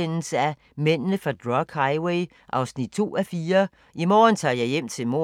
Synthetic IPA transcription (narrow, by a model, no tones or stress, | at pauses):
en̰l̩səæ | men̰nəfʁɑ̈d̥ʁɒɡ̥hɑɪweɪ | ʔɑ̈ʊsnid̥̚t͡sʰo̝̰ːæfiːɐ | ʔimɒ̰ːnt͡sʰɑ̰̈ːjɑ̈ɪjem̰t͡sʰe̝lmo̝